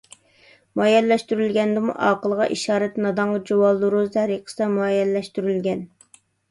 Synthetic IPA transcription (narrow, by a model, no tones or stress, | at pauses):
mɑjɛllɛʃt̪yɾylɡʲɛnd̪ɪmṵʔɑːqəlˠʁɑ̰ʔiʃɑːɾɛt̪nɑd̪ɑɴʁɑd͡ʒowɑlˠuɾuzd̪ʰɛɾiqʰə̥sɨd̪ɑmuɑjɛllɛʃt̪yɾylɡʲɛn